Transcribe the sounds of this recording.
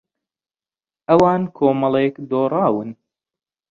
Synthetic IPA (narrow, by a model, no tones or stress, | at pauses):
ʔɐwaːnkʰoːmɐlˠekd̪oːrˤɑːwɨn